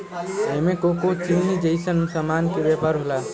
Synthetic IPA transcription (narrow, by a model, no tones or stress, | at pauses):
emẽkokot͡ʃiʋnid͡ʒejsənsəmaːnkebjɛpaɾɦolaː